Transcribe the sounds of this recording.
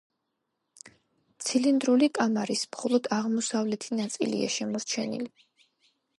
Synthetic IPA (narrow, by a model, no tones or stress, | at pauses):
t̪sʰilind̪ɾulikʼamaɾismχɔlˠɔd̪aʁmɔsavlɛt̪ʰinat̪sʼḭlḭa̰ʃɛmɔɾt͡ʃʰɛnḭli